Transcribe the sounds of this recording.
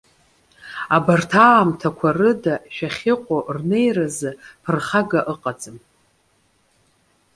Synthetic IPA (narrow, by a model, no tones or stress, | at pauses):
abartʰaːmtʰakʷʰarɨdaʃᶣaχʲɪqʷʼorne̞jrazɨpʰɨrχaɡaʔɨqʼat͡sʼɨm